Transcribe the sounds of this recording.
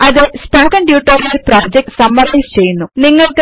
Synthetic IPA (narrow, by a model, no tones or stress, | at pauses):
ɐðɨspoːkɐɳɖjuːʈːoːɾijɐlproːd͡ʑek̚ʈsɐmːɐɾɐjst͡ɕe̞jːunːuniŋːɐɭkɨ